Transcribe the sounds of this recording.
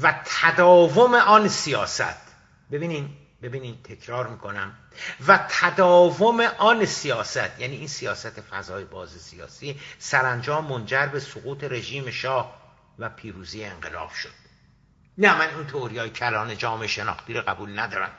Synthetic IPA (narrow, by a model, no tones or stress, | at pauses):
væt̪ʰæd̪ɒːvo̞me̞ʔɒːnsijɒːsæ̰t̪ʰ | be̞biːni | be̞biːnid̪t̪ʰe̞cʰɾɒːɾmiːkʰo̞næm | væt̪ʰæd̪ɒːvome̞ʔɒːnsijɒːsæt̪ʰjæːniːiːnsijɒːsæt̪ʰe̞fæ̰zɒːjebɒːzesijɒ̰ːsiːsæɾænd͡ʒɒːmːond͡ʒæɾbe̞soɣuːt̪ʰe̞ɾe̞ʒiːme̞ʃɒːh | væpʰiːɾuːzijeeŋɢe̞̰lɒ̰ːb̥ʃo̥d̪̥̚ | næmænint̪ʰeoɾijɒːjecʰælɒːned͡ʒɒːmeʃe̞nɒ̰ːxt̪iːɾoɣæbuːlnæd̪ɒːɾæ̰m